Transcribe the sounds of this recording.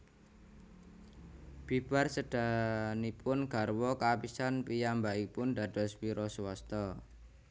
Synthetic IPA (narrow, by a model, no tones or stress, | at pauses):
b̥i̤b̥arsəd̥a̤nipʊnɡ̥a̤rwɔkapisanpijambaipʊnd̪a̤d̥ɔ̤swiɾɔswɔst̪ɔ